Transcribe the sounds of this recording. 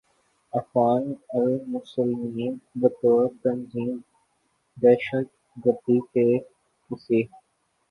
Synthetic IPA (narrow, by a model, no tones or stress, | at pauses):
ɐfɣaːnɐɾmʊsəlmiːnbɐt̪oːt̪ɐnziːm | d̪ɛːʃət̪̚ | ɡəɾd̪ike | pɪseː